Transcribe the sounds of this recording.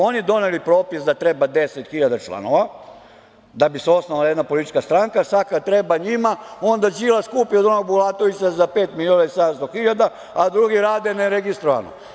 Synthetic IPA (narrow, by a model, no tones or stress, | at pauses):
o̞nid̪o̞nelipɾo̞ːpisd̪at̪ɾebad̪e̞set̪xiʎad̪at͡ʃlˠa̰no̞ʋa | d̪abiseo̞snoʋalajed̪napo̞lit̪it͡ʃkast̪ɾaŋkasakat̪ɾebaɲimao̞nd̪ad͡ʑilaskuːpiod̪onoɡ̚bulˠat̪oʋisazapeːt̪milionaisad̪amst̪oxiʎad̪a | ad̪ɾuɡiɾaːd̪eneɾeɡist̪ɾoʋa̰no̰